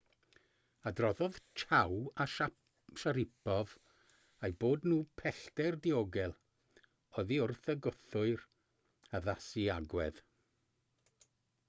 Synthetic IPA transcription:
adrɔðɔð̥t͡ʃʰawaʃa | ʃaɾɪpʰɔv | ajboːdnuːpʰɛɬtɛrdioɡɛlˠ | ɔðiʊrθəɡʊθʊɨr | aðasiaɡwɛð

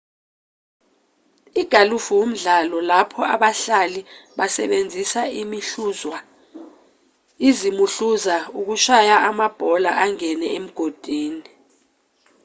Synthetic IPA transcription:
iɡ̥ʱalufuwom̩ɮalɔlapʰɔaɓaɬaliɓasɛ̰ɓend͡zʱisaimiɬuzwa | izimuɬuzauk̬uʃajaʔamab̥ʱɔlaʔaŋɛnɛem̩ɡ̥ʱod̥ʱiːni

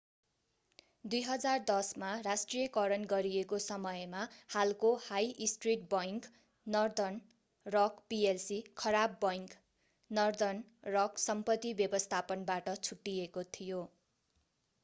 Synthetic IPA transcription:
d̪ujɦʌd͡zard̪ʌsmarasʈrijʌkʌɾʌnɡʌɾiekosʌmʌjmahalkohajisʈriʈ̚bʌjŋk | nʌrd̪ʌn | rʌkpielsikʰʌɾabːʌjŋk | nʌrd̪ʌnrʌksʌmpʌt̪ːibjʌbʌst̪ʰapʌnbaʈʌt͡sʰuʈːijekot̪ʰijo

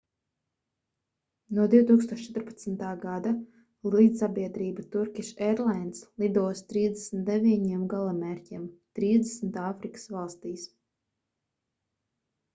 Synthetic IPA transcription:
nuɔd̪iwt̪uːkst̪uɔʃt͡ʃɛt̪ʊɾpḁt̪smt̪aːɡad̪a | liːd̪sabʲiɛd̪ɾiːbat̪uɾkʲiʃɛɾlˠajnt̪slˠid̪uɔst̪ɾiːzd̪esnt̪̚d̪evʲiɲiɛmɡalˠamɛɾʲcʲimt̪ɾiːzd̪esmt̪aːfɾikɨ̥svalˠst̪iːs

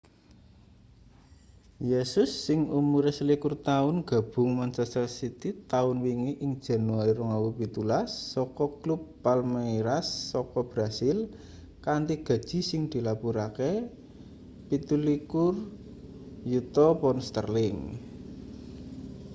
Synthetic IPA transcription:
jesʊsːɪŋumuɾɛsəlikʊrt̪aʊnɡ̥a̤b̥ʊ̤ŋmant͡ʃɛst̪əlsit̪it̪aʊnwiŋiʔɪŋd̥ʒ̥a̤nuaɾiɾɔŋawupit̪ulasːɔkɔklupːalmaiɾasːɔkɔb̥ɾasɪl | kant̪iɡ̥ä̤d̥ʒ̥i̤sɪŋd̪̥i̤lapuɾake | pit̪ulikʊr | jut̪ɔpɔnst̪ə̰rlɪŋ

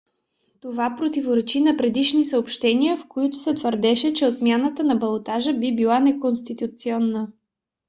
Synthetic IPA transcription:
t̪ovapɾot̪ivoɾɛt͡ʃinɐpɾɛd̪iʃnisəopʃt̪ɛniəfkoit̪ʊ̥sɛt̪vəɾd̪ɛʃɛt͡ʃɛot̪mʲjanət̪ənɐbɐlˠot̪aʒəbibilˠanɛkonst̪it̪ut̪siɔnːə

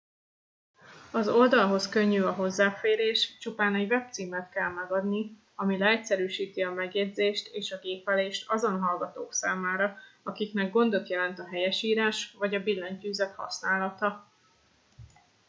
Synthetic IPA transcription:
ɒzo̞ld̪ɒlɦo̞skø̞ɲːyːɒɦo̞zːaːfeːɾeːʃt͡ʃupaːnɛɟvɛp̚t̪siːmɛt̪kɛlmɛɡɒd̪ni | ɒmilɛɛcsɛɾyːʃiːt̪iɒmɛɡjɛdzeːʃt̪eːʃɒɡeːpɛleːʃt̪ʰɒzo̞nɦɒlɡɒt̪oːksaːmaːɾɒɒkiknɛɡɡo̞nd̪o̞t̪jɛlɛn̪t̪ɒɦɛjɛʃiːɾaːʃvɒɟɒbilːɛɲcyːzɛt̪hɒ̰snaːlɒt̪ɒ

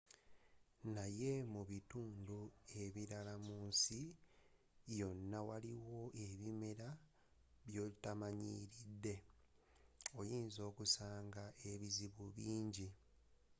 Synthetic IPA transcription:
naje̞muβituːndue̞βiɾalamuːnsi | jo̞nːawaliwo̞ʔeβime̞ɾa | βjo̞ːlitamaɲiɾidːe̞ | ojiːnzo̞ːkusaːŋɡaʔe̞βiziβuβiːɲɟi

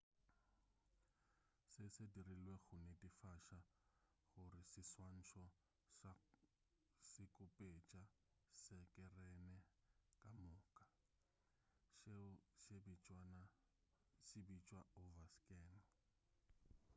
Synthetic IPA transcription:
sɪsedirilweɣʊnedʼifaʃa | ɣʊrɪsɪswan̩ʃʰɔ | sɪkʼʊpʼet͡ʃʼa | sɛkʼɛrɛnɛkʼamʊːkʼa | ʃebit͡ʃʼana | sɪbit͡ʃʼwaovaskʼɛn

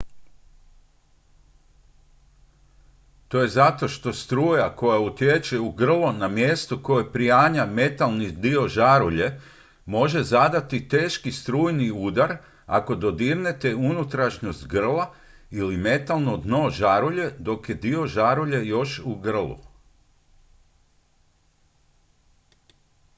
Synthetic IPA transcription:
t̪o̞je̞zat̪o̞ʃt̪o̞st̪ɾuːjako̞jaut̪jet͡ʃeuɡr̩lˠonamje̞st̪oko̞jepɾijaːɲame̞t̪alˠnid̪io̞ʒaɾuʎe̞ | mo̞ʒe̞zad̪at̪it̪e̞ːʃkist̪ɾuːjniuːd̪aɾ | a̰ko̞d̪o̞d̪iɾne̞t̪e̞unut̪ɾaʃɲost̪ʲɡr̩lˠa | ilime̞t̪alˠnod̪no̞ʒaɾuʎe̞d̪o̞kje̞d̪io̞ʒaɾuʎe̞jo̞ʃuɡr̩lˠṵ

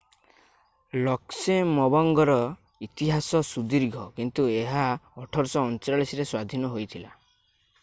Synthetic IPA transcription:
lɔksemɔbɔŋɡɔɾɔ | it̪iɦasɔsud̪iɾɡʱɔkint̪ueɦaɔʈʰɔɾsɔːnt͡ʃɾaɭisiɾeswad̪ʱinɔɦojt̪ʰila

